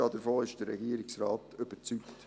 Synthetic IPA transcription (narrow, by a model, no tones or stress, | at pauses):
ɑdəɾfoːɪʃd̥əɾːɛɡiːəɾɪksraːt̪øb̥əɾt͡sykt